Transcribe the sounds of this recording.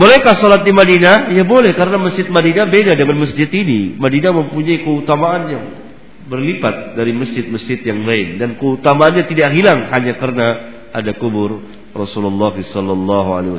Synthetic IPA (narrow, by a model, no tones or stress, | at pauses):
bolɛkahsɔlat̪̚dimadinajabolɛhkaɾənaməsd͡ʒɪt̪̚madinabedadəŋanməs̬d͡ʒɪt̪inimadinaməmpuɲaikəut̪amaʔanjaŋ | bərlipat̪̚daɾiməsd͡ʒɪt̪̚məsd͡ʒɪt̪̚jaŋlaɪndankəut̪amaːnɲat̪idaʔɦilaŋɦaɲakərəna | ʔadakubʊr | rɔsululːɑɦisɔlːɔlːɑɦua̰lew